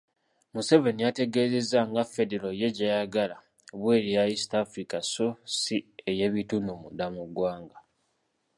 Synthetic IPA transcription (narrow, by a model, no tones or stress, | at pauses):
muse̞ve̞nijate̞ɡeːze̞zaŋɡafe̞deɾoje̞ɟajaɡala | βwe̞ːɾijaisi̥taːfɾikasosieje̞βitunumudamuɡwaːŋɡa